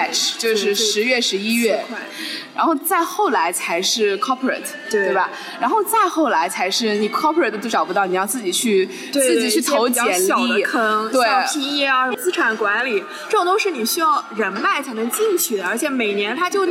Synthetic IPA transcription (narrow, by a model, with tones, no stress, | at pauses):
ʈ͡ʂt͡ɕjo˥˧ʊʂɻ̩˥˩ʂɻ̩˧˥ɥɛ˥˩ʂɻ̩˧˥i˥ɥɛ˥˩˧ɻa̰˧˥nxo˥˧ʊt͡sa˥˧ɪxo˥˩ʊla˧˥ɪt͡sʰa˧˥ɪʂɻ̩˥˩kʰɔ˥pʰɹə̰˨˩t̪ʰt̪e˥˩e˥˩bɐ̰˩ | ɻa˧˥nxo˥˧ʊt͡sa˥˧ɪxo˥˩ʊla˧˥ɪt͡sʰa˧˥ɪʂɻ̩˥˩ni˨˩kʰɔ˥pʰə˨˩t̪t͡ɕ̪o˥˩ʊʈ͡ʂɑ˨˩ʊpu˧˥t̪ɑ˥˩ʊni˨˩jɑ˥˧t͡sɹ̩˥˩t͡ɕi˨˩t͡ɕʰy˥˧ | t̪ɹ̩˥˩t͡ɕi˨˩t͡ɕʰy˥˩t̪ʰo˧˥ʊt͡ɕjɛ˨˩n˨˧i˥˩kʰɤ˥ŋt̪we˥˩˥i˥˧jɛ˥˩a˨˩ʂə˧˥t͡sɹ̩˥ʈ͡ʂʰa˨˧˩nkwa˧˥nli˨˩˦ | ʈ͡ʂɤ˥˩ʈ͡ʂʊ˨˩t̪o˥ʂɻ̩˥˩ni˨˩ɕy˥jɑ˥˩ʊɻə˧˥nma˥˩ɪt͡sʰa˥nɤ˧˥ŋt͡ɕi˥˧nt͡ɕʰy˥˩d̪ə˩ə˞˧˥t͡ɕʰjɛ˧˩me˨˩ɪnjɛ˧˥nt̪ʰa˥t͡ɕjo˥˧ʊ